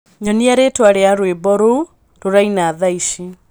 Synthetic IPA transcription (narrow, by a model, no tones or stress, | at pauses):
ɲɔniaɾetwaɾeaɾwebɔɾou | toɾainaːðaiʃi